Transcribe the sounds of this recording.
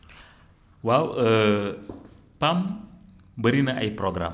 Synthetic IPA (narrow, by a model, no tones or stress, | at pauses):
wawə | pam | bəɾinaʔajpɾoɡɾa̰m